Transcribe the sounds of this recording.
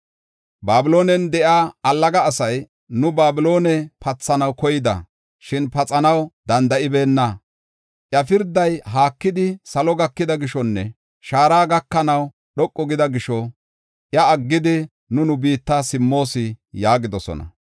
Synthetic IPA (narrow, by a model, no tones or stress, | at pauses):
baːbɪlo̞ːnɛnd̪ɛʔaːɐlːɐɡɐːsɐj | nʊbaːbɪlo̞ːnɛpɐt͡sːɐnɐwkɔjɪd̪ɐ̰ | ʃɪnpɐt͡sʼɐnɐwd̪ɐnd̪ɐʔɪbe̞ːnːɐ | ʔjɐfɪɾd̪ːɐjɦaːkːɪd̪ɪsɐlɔɡɐkːɪd̪ɐɡɪʃɔnːɛ | ʃaːɾaːɡɐkːɐnɐw | ɗɔkʼːɔɡɪd̪ɐɡɪʃɔ | ʔjɐːɡːɪd̪ɪ | nʊnʊbiːt̪ːasɪmːo̞ːsɪjaːɡɪd̪ɔsɔ̰nɐ̰